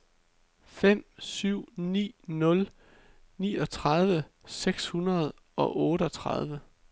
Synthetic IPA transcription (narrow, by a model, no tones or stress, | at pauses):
fem̰syʊ̰nḭːnɔ̽l | niːɒ̽t͡sʰʁɑð̞ˠʋə | seɡ̥shunɐð̞ˠ | ɒ̽ʔɔ̽ːɾəɒ̽t͡sʰʁɑð̞ˠʋə